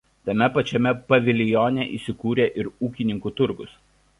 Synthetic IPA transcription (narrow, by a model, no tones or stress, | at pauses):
t̪ɐmʲɛpɐt͡ʃʲɛmʲɛpɐʋʲɪlʲɪjoːnʲɛʔḭːˑsʲɪkuːɾʲeːʔɪɾuːkʲɪnʲɪŋkuːt̪ʊɾɡʊs